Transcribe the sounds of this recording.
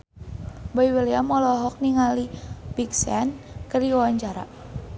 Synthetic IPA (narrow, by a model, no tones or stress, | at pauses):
bɔiweliamɔlɔɦɔk̚niŋalibiksɛnkəriwawaɲt͡ʃaɾa̰